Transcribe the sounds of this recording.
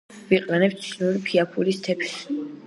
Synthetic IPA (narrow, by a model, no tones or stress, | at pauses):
viqʼlɛnɛpst̪sʰnuɾipʰiapʰulist̪ʰɛpʰs